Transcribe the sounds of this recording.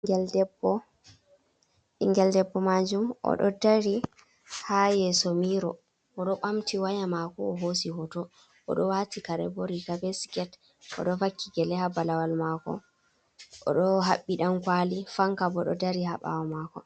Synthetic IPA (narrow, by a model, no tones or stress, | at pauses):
ŋɡɛldɛbɔ | iŋɡɛldɛbːɔmad͡ʒumɔ̰ɗɔ̰daɾi | hajɛsomiɾɔ | ɔɗɔɓamtʰiwajamakɔːɦos̬ihɔtɔ | ɔ̰ɗɔwatikaɾɛ̰boɾikabɛskɛt | ɔ̰ɗɔfakːiɡɛlɛhabalawalmakɔ̰ | ʔɔ̰ɗɔɦaɓːiɗamkwalifaŋkabɔɗɔ̰daɾihaɓa̰wɔmakɔ